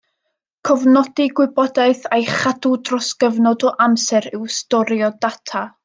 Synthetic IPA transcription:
kʰɔvnɔd̥iɡwɪbɔdaɨθejχadudrɔskəvnɔdɔʔamsɛɾɪwstɔɾjɔdatʰa

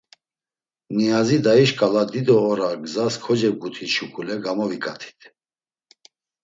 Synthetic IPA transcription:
niazid̪aiʃkʼalad̪id̪ɔːɾaɡzaskʰɔd͡ʒɛɡut̪ʰiʃukʰʼulɛɡamɔvikʼat̪ʰi̥t̪ʰ

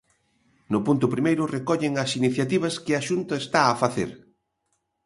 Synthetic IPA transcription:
nʊpunt̪ʊpɾimejɾʊrekɔʎɪŋɐsiniθjat̪iβ̞ɐskɪaʃunt̪ɐest̪aːfaθḛɾ

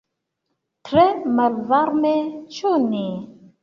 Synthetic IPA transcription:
tʰɾeməlvaɾmet͡ʃuni

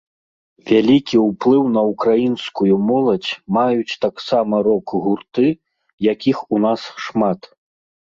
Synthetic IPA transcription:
vʲalʲikʲiwplˠɨwnɐukɾajinskujumɔlˠɐd͡zʲmajut͡sʲt̪aksamɐɾɔkɣurt̪ɨ | jakʲixunasʂmat̪

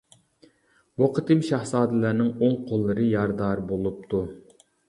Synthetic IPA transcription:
woqʰɨt̪ɨmʃɑhsɑːd̪ɨlæɾnɪŋoŋqʰolˠːɨɾɨjɑɾd̪ɑɾbolˠup̚t̪ʰu

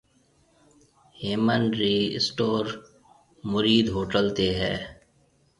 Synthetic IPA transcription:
heːmənɾiːsʈoːɾ | mʊɾiːd̪ɦoːʈəlt̪eɦɛ̰ː

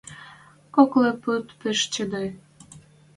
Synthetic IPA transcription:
kokleput̪peʃt͡ɕə̆d̪ɑj

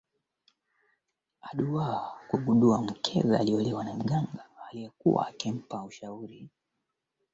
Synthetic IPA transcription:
aɗuwaakuɡuɗuam̩kʰɛ̰za̰aliɔlɛwanam̩ɡaŋɡaːlijɛkuwa̰ːkim̩pauʃauɾi

